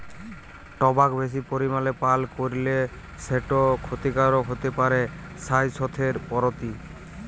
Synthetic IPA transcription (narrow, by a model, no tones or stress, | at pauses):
ʈɔbakbes̬ipoɾimalepalkoɾile | seʈɔkʰot̪ikaɾɔɦot̪epaɾe | sajsɔt̪ʰeɾpɔɾɔt̪i